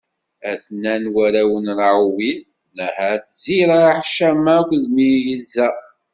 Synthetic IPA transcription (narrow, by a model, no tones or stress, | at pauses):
æθnːænwæɾæwənɾʕuwinː | əhæθziɾˤaħʃæmækʷːðmijəzæ